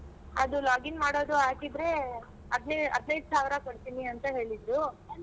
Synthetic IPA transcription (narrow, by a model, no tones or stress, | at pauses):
ɐd̪ulaːɡinmaːɽo̞ːd̪uaːʈ̪id̪ɾe̞ | ɐd̪neɐ̰d̪nɐjd̪saːʋɾɐkoɽt̪iniɐnt̪ɐɦe̞ːɭid̪ɾu